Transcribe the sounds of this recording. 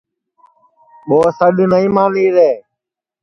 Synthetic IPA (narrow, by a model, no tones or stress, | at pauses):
ɓoːsəɗnəĩːmaːniːɾeː